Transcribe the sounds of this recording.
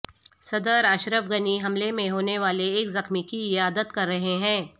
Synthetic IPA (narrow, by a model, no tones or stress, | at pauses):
sɐd̪əɾɐʃɾəfɡɐniɦɐmlemẽɦoːneʋaːleːkzɐxmikiɪjaːd̪ət̪̚kɐɾːɐɦeɦɛ̃ː